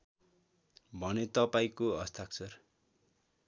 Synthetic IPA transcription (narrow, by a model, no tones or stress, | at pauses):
bʱʌnet̪ʌpaĩkoʌst̪ʰakt͡sʰʌr